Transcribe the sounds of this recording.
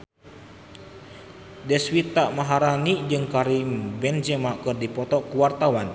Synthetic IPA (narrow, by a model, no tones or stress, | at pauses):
dɛswit̪aʔmaɦaɾanid͡ʒɨŋkaɾimbɛnd͡ʒɛmakɨrdipɔt̪ɔkuwart̪awan